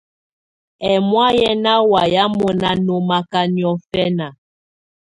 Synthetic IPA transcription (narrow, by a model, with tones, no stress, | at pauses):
ɛ˨mwa˦jɛ˦na˦wa˨ja˦mo˨na˦no˦ma˦ka˦ni˨ɔ˦fɛ˦na˨